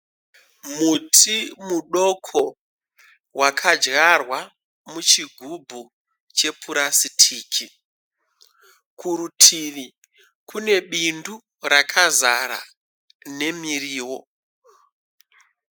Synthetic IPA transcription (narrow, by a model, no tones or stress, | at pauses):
mutʰimuɗo̞kʰo | wakʰad͡ʒɣarwa | mut͡ʃiɡʱubʱu | t͡ʃe̞pʰuɾasitʰiːkʰi | kuɾutʰini | kʰune̞ɓindu | rakʰazaɾa̰ | ne̞miriːwo̞